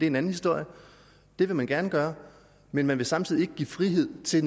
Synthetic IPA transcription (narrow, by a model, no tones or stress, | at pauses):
d̥e̝enæn̩hisd̥o̝ɐ̰jə | d̥e̝ʋe̝mænɡ̥æɐnəɡ̥ɶːɐ | menmænʋe̝sɑ̈mt͡sʰiːð̰ˠie̝ɡ̥ə̥ḭːfʁiɦe̝ð̞̰ˠt͡sʰe̝